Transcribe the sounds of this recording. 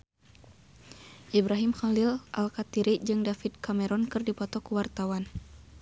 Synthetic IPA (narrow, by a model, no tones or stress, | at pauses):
ʔibɾaɦimxalilʔa̰lkat̪iɾid͡ʒɨŋdafid̪̚kamɛɾɔnkɨrdipɔt̪ɔkuwart̪awan